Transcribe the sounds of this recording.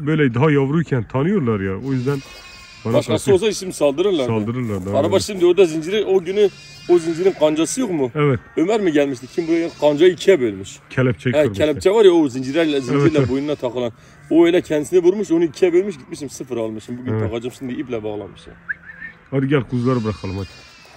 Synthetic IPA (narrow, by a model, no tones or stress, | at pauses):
bøjlɛd̪ɑɦɑjɑvɾujkʲʰɛnt̪ʰɑnɨjuɾlˠɑɾjɑojyzd̪ɛn | mɑnɑʃqɑsolˠsɑisimsɑlˠd̪ɨɾɯɾlˠɑɾɑlˠd̪ɨɾɨɾlˠɑɾd̪ɑɾɑbɑʃsɨmd̪ɪod̪ɑzind͡ʒiɾɪʔoɡʲyny | ozind͡ʒiɾɪnqʰɑnd͡ʒɑsɨjoχmuɛvɛt̪ømæɾmɪɡʲɛlmiʃt̪ɪkʲʰimbuɛqʰɑnd͡ʒɑjikʲʰːɛbølmiʃkʲʰɛlp̚t͡ʃʰɛɛkʲʰɛlɛpt͡ʃʰɛbɑɾjɑozind͡ʒiɾɛɾlɛzind͡ʒiɾlɛbojunɨnɑt̪ʰɑqɨlˠɑn | oelɛkʲʰɛnd̪ɪsɪnɪbuɾmuʃonɨikʲʰːɛbølmiʃɡʲit̪̚miʃimsɨfɨɾɑlˠmɯʃmbuɡʲynt̪ʰɑʁɑd͡ʒɨmsɨnd̪iiplɛbɑʁlˠɑ̰nmɨʃjɑ̰ | ɑd̪ɪɡʲɛlqʰuzɡɑɾɨbɨɾɑqʰɑlˠmɑjt̪